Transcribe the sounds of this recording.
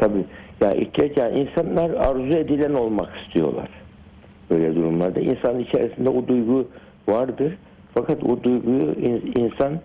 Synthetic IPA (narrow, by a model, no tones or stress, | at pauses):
t̪ʰabiːja̰ːʔḭʃʰɛcanʔinsanlˠaɾaɾzue̞d̪ilʲæno̞lˠmaki̥st̪ʰijo̞̰lˠa̰ɾ̥ | b̥øjlʲɛd̪uɾumlˠaɾd̪aʔḭnsanɯnit͡ʃʰeɾisind̪ɛbud̪ujɡu | vaɾd̪ɯɾ̥ | fakʰat̪bud̪ujɡujuininsan